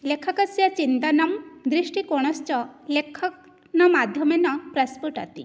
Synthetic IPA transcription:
lekʰakasjat͡ɕint̪anamd̪ɾiʂʈikoɽ̃ɔst͡ɕɔlekʰɔk̚ | nɔmad̪ʱjɔmenɔpɾaspuʈa̰t̪i

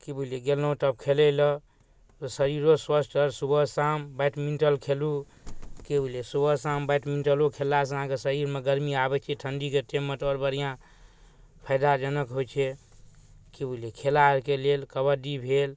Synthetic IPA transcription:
kibuileɡelnõʈəb̚kʰelelə | t̪ɔsəɾiɾoswəsʈəɾsubəsambajʈminʈəlkʰelu | kebulesubəsambəʈminʈəlokʰelːas̬əɦãkesəɾiɾmeɡəɾmiabɛt͡ʃʰɛʈʰənɖiket̪emət̪ɔɾbəɾijã | pʰəjd̪ad͡ʒənəkɦojt͡ʃʰɛ | kibəilekʰelaɾkelelkəbəɖ̪ibʱel

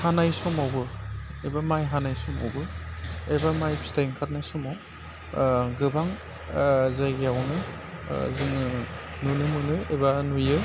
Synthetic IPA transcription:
hanajsɔmawbɯebamajɦanajsɔma̰wbɯebamajpstajŋkʰat̚najsɔmaw | ɡɯbaŋ | zajɡjawnɯ | zɯnɯ | nunɯmɯnɯḛbanujɯ

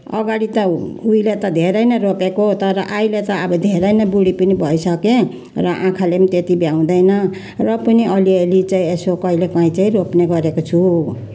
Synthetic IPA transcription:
ʌɡaɽit̪ʌujlet̪ʌd̪ʱeɾʌjnʌropekot̪ʌɾʌʔajlet̪ʌːbʌd̪ʱeɾʌjnʌbuɽipʌnibʱʌjsʌke | rʌʔãkʰalemit̪et̪ibjaw̃d̪ʌjnʌ | rʌpʌniʔʌlielit͡saĩesokʌɦilekʌĩt͡saĩropneɡʌɾekot͡sʰu

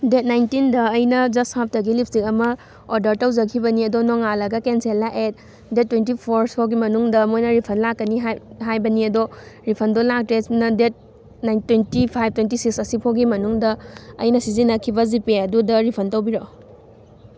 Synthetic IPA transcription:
det̚najntindɐːjnɐd͡ʒɐsthap̚tɐɡilip̚ʰsiŋɐmɐ | oɾdɐɾtawzɐkʰibɐniɐdɔnɔŋalɐɡɐkenselaʔet̚ | det̚ːwentipʰoɾsʰoɡimɐnuŋdɐmojnɐɾipʰɐnlakːɐniɦɦajbɐniɐdɔɾipʰɐndɔlak̚tɾesnɐdet̚ | najntwentipʰajb̚twentisiksɐsipʰoɡimɐnuŋdɐ̰ːjnɐsizinɐkʰibɐzipeɐdudɐɾipʰɐntɐwbiɾo

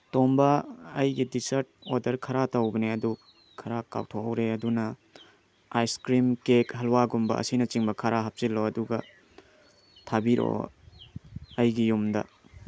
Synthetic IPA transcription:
tombɐːjɡidisɐɾt̚odɐɾkʰɐɾatɐwbɐneɐdu | kʰɐɾaka̰wtʰoɐwɾeɐdunɐ | ajskɾimkekɦɐlwaɡumbɐ̰ʔɐ̰sinɐt͡ʃiŋbɐkʰɐɾaɦɐp̚silːoɐduɡɐ | tʰabiɾo̰ | ɐjɡijumdɐ̰

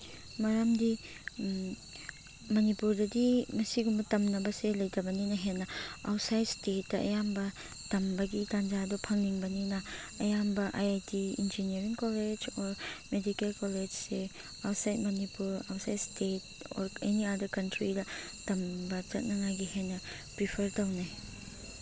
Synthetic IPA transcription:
mɐɾɐmdi | mɐnipuɾdɐdimɐsiɡumbɐtɐmnɐbɐselɐjtɐbɐninɐɦenːɐawtsajdstetːɐʔɐ̰jambɐ | tɐmbɐɡitand͡ʒadɔpʰɐŋniŋbɐninɐ | ɐjambɐʔajajtiḭnd͡ʒiniɐɾiŋkoled͡ʒɔɾmedikelkoled͡ʒse | awtsajt̚mɐnipuɾa̰wtsajdstet̚ | ɔ̰ɾeniadɐɾkɐntɾidɐ | tɐmbɐt͡ʃɐt̚nɐŋajɡihenːɐ | pɾipʰɐɾtɐwnaj

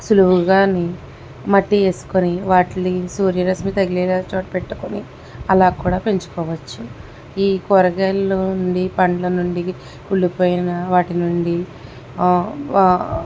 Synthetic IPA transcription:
suluʋuɡaːni | mɐʈːie̞ːsu̥koniʋaːʈilisuːɾjɐɾɐsmiːt̪ɐɡiliːɡaːt͡ʃoːʈpe̞ʈːu̥koni | ɐlaːkuːɽaːpe̞ɲt͡ʃu̥kɔːʋɐt͡ʃːu | iːkɔɾɐɡeluuɳɖipɐɳɖlɐnuɳɖi | kuɭːipoːjinɐʋaːʈinuɳɖi

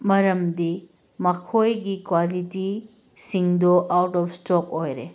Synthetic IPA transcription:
mɐɾɐmdi | mɐkʰojɡikwaliti | siŋdoʔawtɔpstokojɾe

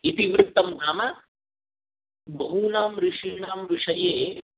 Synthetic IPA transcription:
it̪iʋɾɪk̚t̪ːɐmd̪ʱaːma | bʱɐɦunaːmɾiʂiɳaːmʋiʂɐjeː

